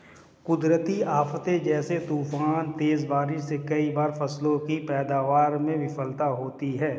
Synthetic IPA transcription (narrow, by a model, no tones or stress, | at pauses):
kʊd̪ɾət̪iaːft̪ẽd͡ʒɛːset̪uːfaːnt̪eːzbaːɾɪʃsekɐibaːɾfɐslõkipɛːd̪aːʋaːɾmẽʋɪfəlt̪aɦoːt̪iɦɛː